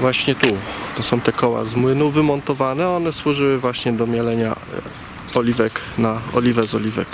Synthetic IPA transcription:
vwaɕɲɛt̪ut̪ɔsɔ̃w̃t̪ɛkɔwa̰zmwɘnuvɘmɔnt̪ɔvanɛɔnɛswuʐɘwɘvwaɕɲɛd̪ɔmʲjalɛɲa̰ | ɔlʲivɛk | naɔ̰lʲivɛzɔlʲivɛ̰k

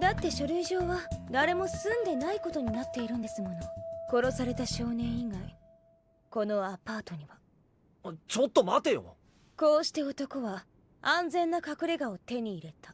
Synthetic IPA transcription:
d̪at̪ːe̞ɕoɾɯ̟iʑo̞ːβad̪aɾe̞mo̞sɨ̃nd̪e̞naiko̞t̪o̞ɲ̟inat̪ːe̞iɾɯ̟̃nd̪e̞sɨmo̞no̞ko̞ɾo̞saɾe̞t̪aɕo̞ːnẽ̞ɰ̃iɡai | ko̞no̞apaːt̪o̞ɲ̟iβa | t͡ɕo̞t̪ːo̞mat̪e̞jo̰ | ko̞ːɕi̥t̪e̞o̞t̪o̞ko̞βa | ãnd͡zẽ̞nːakakɯ̟ɾe̞ɡao̞t̪e̞ɲ̟iːɾe̞t̪ḁ

